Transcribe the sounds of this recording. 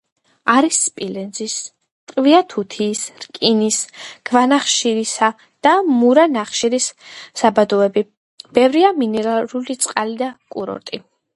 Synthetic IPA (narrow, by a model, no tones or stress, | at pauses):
aɾisːpʼilɛnzis | t̪ʼqʼviat̪ʰut̪ʰiːsɾkʼinisɡ̥vanaχʃiɾisa | d̪̥amuɾanaχʃiɾisːabad̪ɔɛbi | b̥ɛvɾiaminɛɾaɾulit̪sʼqʼalid̪akʼuɾɔ̰ɾt̪ʼi